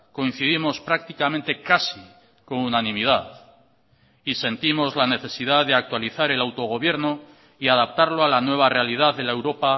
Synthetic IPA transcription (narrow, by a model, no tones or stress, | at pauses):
ko̞ĩn̟θiðimo̞spɾak̚t̪ikamẽ̞nt̪e̞kasi | ko̞ŋunanĩmið̞aθ | ise̞nt̪imo̞zlane̞θe̞siðaððe̞ak̚t̪waliθaɾe̞lawt̪o̞ɣ̞o̞β̞je̞ɾno | iaðap̚t̪aɾloalanwe̞β̞are̞alið̞aððe̞lae̞wɾo̞pa